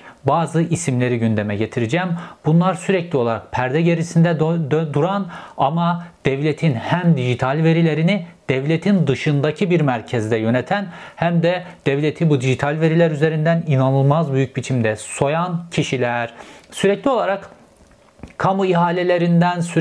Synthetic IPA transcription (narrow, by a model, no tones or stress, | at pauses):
baːzɯʔisimlʲe̞ɾiɟynd̪emɛɟet̪ʰiɾid͡ʒɛmbunlˠaɾsyɾɛclʲio̞lˠaɾak̚pʰæɾd̪ɛɟe̞ɾisind̪ɛd̪d̪uɾanamad̪̥ɛvlʲet̪ʰinhæmd̪iʒit̪ʰalʲve̞ɾilʲe̞ɾinid̪̥ɛvlʲet̪ʰind̪ɯʃɯnd̪acʰibiɾmæɾcʰɛzd̪ɛjø̞net̪ʰænhæmd̪ɛd̪̥ɛvlʲet̪ʰibud̪iʒit̪ʰalʲve̞ɾilʲæɾyze̞ɾind̪æninanɯlˠmazbyjyc̚bit͡ʃʰimd̪ɛso̞jancʰiʃilʲæɾ̥syɾɛclʲio̞lˠaɾak | kʰamuiɦaːlʲelʲe̞ɾind̪ænsy